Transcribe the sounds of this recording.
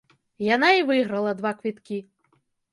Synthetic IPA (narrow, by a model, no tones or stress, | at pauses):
janaivɨɣɾɐlˠɐd̪ʋakʋʲit̪kʲi